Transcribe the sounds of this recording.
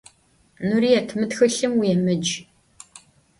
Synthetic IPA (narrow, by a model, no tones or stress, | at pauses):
nuɾiːjɛtʰmɨtxɨɬɨmwijɛmɨd͡ʒ